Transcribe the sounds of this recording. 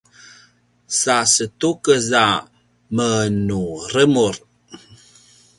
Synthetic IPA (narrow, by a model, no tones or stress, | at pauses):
sasətukəza | mənuɾəmuɾ